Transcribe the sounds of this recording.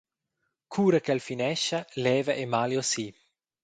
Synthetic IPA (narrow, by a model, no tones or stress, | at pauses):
kʰuːɾəkɛlfinɛʃɐlɛːvəʔemaljosi